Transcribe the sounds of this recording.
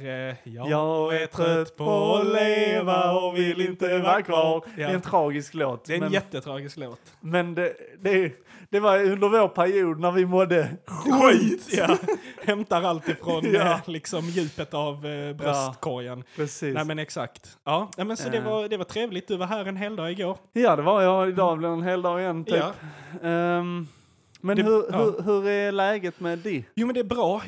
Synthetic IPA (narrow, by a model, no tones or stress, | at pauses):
jjɑɡɛt̪ʰːt̪pʰɔleːvaɔvɪlɪnt̪əvæɾkvɑd̪ɛɛːnt̪ʰɾɑːɡɪskloːt̪d̪ɛɛɛjɛt̪ːət̪ʰɾɑːɡɪskloːt̪ | mɛnd̪ɛd̪ɛ | d̪ɛvɑɾɵnd̪əɾvoːɾpʰæɾɪuːd̪̚næɾvɪmɔd̪ːəɧijahɛmt̪aɾalt̪ɪfɾɔnlɪksɔmjʉ̟ːpət̪avbɾɛst̪kʰɔɾjanpʰɾɛsiːnɛmɛnɛksa̰k̚t̪ɑːnɛmɛnsɔd̪ɛvaɾd̪ɛvaʈ̪ʰɾeːvlɪɡt̪d̪ɵvaɦæːɾɛnɦeːld̪ɑːɡɪɡoːɾjɑːd̪ɛvajɑɪd̪ɑːblɛɛnɦeːld̪ɑːɡɪjɛnːt̪ʰyːp | mɛnhɵɾɵɦɵɾæɾlɛːɡət̪mɛd̪ɛjuːmɛnd̪ɛæbɾɑː